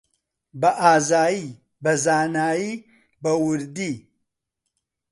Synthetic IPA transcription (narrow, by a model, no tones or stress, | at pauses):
bɐʔaːzaːji | bɐzaːnaːjiː | bɐwʊɾd̪iː